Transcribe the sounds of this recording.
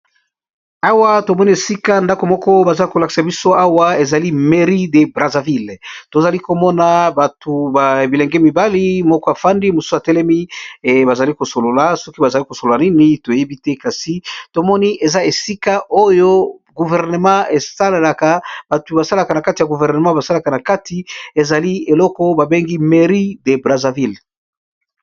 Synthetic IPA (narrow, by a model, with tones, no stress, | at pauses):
a˦wa˦to˨mɔ˦ni˦e˨si˦ka˦nda˦ko˨mɔ˦kɔ˦ba˨za˦lko˨la˨ki̥˨sa˨bi˦so˦a˦wa˦e˨za˨li˦me˨ʁi˦de˨bʁa˨za˨vi˦˨lto˨za˨li˦ko˨mɔ˦na˨ba˨tʰu˨ba˨bi˨lɛ˨ŋɡɛ˦mi˨ba˦li˦mɔ˦kɔ˦a˨fa˦ndi˦mo˨su̥˦sa˨tɛ˦lɛ˦mi˦˨ba˨za˨li˦ko˨so˨lo˨la˨sɔ˦ki˦ba˨za˨li˦ko˨so˨lo˨la˨ni˦ni˦to˨je˦bi˦tɛ˦ka˨si˨˦to˨mɔ˦ni˦ʔe˨za˦e˨si˦ka˦ʔo˦jo˦ɡu˨vɛ˨ʁne˨mɑ̃˦e˨sa˦lla˨ka˦b̥a˨tu˨ba˨sa˦la˨ka˨na˨ka˦ti˨a˨ɡu˨vɛ˨ʁne˨mã˦ba˨sa˦la˨ka˨na˨ka˦ti˦e˨za˨li˦e˨lɔ˦kɔ˦ba˨be˦ŋɡi˦me˨ʁi˦de˨bʁa˨za˨vi˦˨l